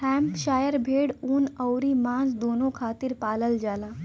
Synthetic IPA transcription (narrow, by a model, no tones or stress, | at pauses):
hɛ̃mpʃaːjəɾbʱeːɽuːnəwɾimãːnd͡zd̪onokʰaːt̪iːɾpaːləld͡ʒaːla